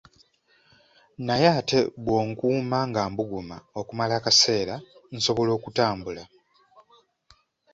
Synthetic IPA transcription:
najaːte̞bwo̞ːŋkuːmaːŋɡaːmbuɡuma̰o̞kumalaːkase̞ːɾan̩so̞βo̞lo̞ːkutaːmbula

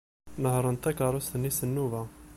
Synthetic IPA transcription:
nəɦɾˤənt̪ækɑɾˤusənisənːuva

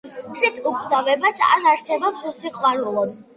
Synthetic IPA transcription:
t̪ʰvit̪ʰukʼd̪avɛbat̪sʰa̰ɾaɾsɛbɔpsusiqʼwaɾulˠɔd̪

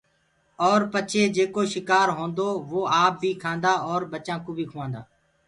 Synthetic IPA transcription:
ɔːɾpət͡ʃʰeːd͡ʒeːkoːʃɪkaːɾɦõːnd̪oːʋoːaːp̚bʱiːkʰãːnd̪aːɔːɾbət͡ʃãːkũːbʱiːkʰʊʋãːnd̪a̰ː

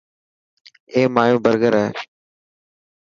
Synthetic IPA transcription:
eːmaːjõːbəɾɡəɾəɦeː

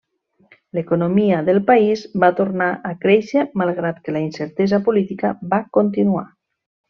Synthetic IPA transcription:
lekonomiaðelˠpaizbat̪oɾnaʔakɾɛʃemalˠɣ̞ɾat̪kəlainseɾt̪ɛzapolit̪ikabakont̪̬inua̰

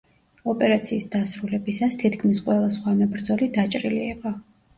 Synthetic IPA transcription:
ɔpʼɛɾat̪sʰiːsd̪asɾulɛbisast̪ʰit̪kʰmisqʼwɛlˠasχwamɛbɾd̪zɔlid̪at͡ʃʼɾiliːqʼɔ

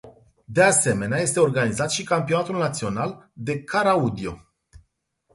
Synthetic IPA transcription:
d̪e̞ase̞me̞neaje̞st̪e̞o̞rɡanizat̪ʃikampio̞nat̪ulnat̪sio̞nald̪e̞kʰaɾaud̪io̞̰

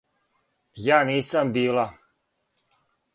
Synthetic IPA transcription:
jaːniːsambiːla

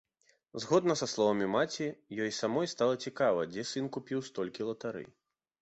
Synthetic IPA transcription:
zɣɔd̪nɐsaslˠɔvɐmʲimat͡sʲijɔjsamɔjst̪alˠɐt͡sʲikavɐ̰d͡zʲɛsɨnkupʲiwst̪ɔlʲkʲilˠɐt̪aɾɨ̰j

